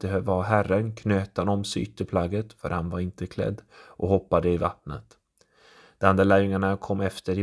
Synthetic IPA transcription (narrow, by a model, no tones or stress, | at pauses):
bɛɦøːvahɑːɦærːənkʰnøːt̪anɔmsy̰ːt̪əpʰlaɡːət̪fœ̰ɾhanvaɾɪnt̪əkʰlɛ̰d̪ːʔɔhɔpːad̪əɪva̰t̪nə̰t̪ | d̪̥ɛand̪alæːɾjɵŋaɳakʰɔmːɛft̪əɾɪ